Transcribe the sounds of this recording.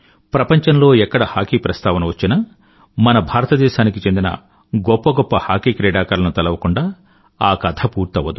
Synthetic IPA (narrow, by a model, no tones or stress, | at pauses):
pɾɐpɐɲt͡ʃɐnlo̞ːɛkːɐɽɐhaːkiːpɾɐst̪ʰaːʋɐnɐʋɐt͡ʃːinɐ | mɐnɐbʱaːɾɐt̪ɐd̪ɛːʃaːnikit͡ʃe̞nd̪inɐ̰ | ɡɔpːɐɡɔpːɐhaːkiːkɾɛːɖaːkaːɾlɐnut̪ɐlɐʋɐkuɳɖaː | aːkɐt̪ʰɐpuːɾt̪ɐʋɐd̪u